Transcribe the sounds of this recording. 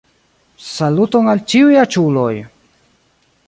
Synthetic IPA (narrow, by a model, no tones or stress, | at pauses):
salut̪oŋalt͡ʃiwjat͡ʃuloj